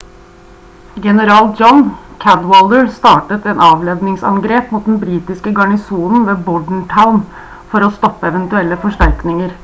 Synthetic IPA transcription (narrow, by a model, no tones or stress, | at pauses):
ɡɛnəɾɑːld͡ʒɔnkʰæd̪wɑld̪əɹst̪ɑːʈət̪ɛːnɑːʋlɛd̪nɪŋsɑ̰ŋɡɾeːpmuːt̪̚d̪ɛnbɾiːt̪ɪskəɡɑɳɪsuːnn̩ʋeːbʊɖɳ̩ʈʰaʊn | fɔɾɔːst̪ɔpːəɛʋɛnt̪ʉɛlːəfɔʂʈæɾknɪŋəɾ